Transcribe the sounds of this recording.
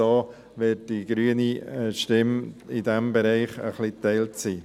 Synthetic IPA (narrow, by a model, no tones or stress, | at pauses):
ɑː | ʋɪt̚d̥iɡɾyːəniʃtɪmɪdɛmbɛɾɛɪχə̰χlitɛɪltt͡siː